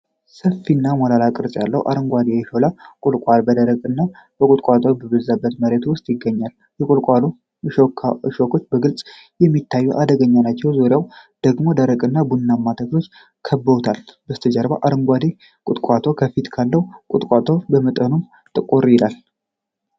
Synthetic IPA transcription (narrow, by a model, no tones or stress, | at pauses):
səfːinːamɔlalakʼɨɾsʼjalːəwʔa̰ɾɨŋɡʷad̪ejɛʃolakʼʊlkʼʷalbəd̪əɾəkʼɨnːabəkʼʊt̪ʼkʼat̪ʰʼobəβəzabːət̪məɾet̪wʊst̪ʼjɪɡːəɲːal | jɛkʼulkʼalu | ʃokʰʃokʰo̞t͡ʃːbəɡɨlt͡sʼ | jɛmːit̪ʰːajːuʔad̪əɡəɲːanat͡ʃːɛwzuɾjawd̪̥əɡmo̞d̪əɾəkʼɨnːabunːamːat̪ʰəklot͡ʃː | kʰəbːəut̪ʰalbəst̪ʰəd͡ʒəɾbaʔaɾɨŋɡʷad̪e | kʼʊt̪ʼkʼat̪ʰokʰəfit̪kʰalːəhukʼʊt̪ʼkʼat̪ʰo̞bəmət̪ʼənum | t̪ʼɨkʼuɾjɪlal